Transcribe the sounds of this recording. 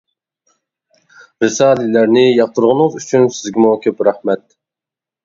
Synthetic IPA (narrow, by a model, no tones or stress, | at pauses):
ɾɨsɑːlɪlæɾnɪjɑq̚t̪əɾʁʊnɨzyt͡ʃʰynsɪzɡʲimukʲʰøpɾæhmɛt̪̚